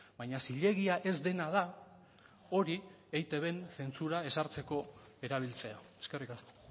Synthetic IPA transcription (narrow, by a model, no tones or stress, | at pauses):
bajɲasiʎe̞ɣiaʔe̞zd̪e̞nað̞a | o̞ɾi | ejt̪e̞βe̞nse̞nt͡suɾae̞saɾt͡se̞ko̞ | e̞ɾaβ̞ilt͡se̞aeske̞rikast̪